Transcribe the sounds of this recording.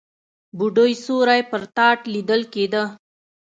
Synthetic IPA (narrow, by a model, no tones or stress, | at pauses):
buɖojsoɾajpəɾt̪ɑʈlid̪əlked̪ə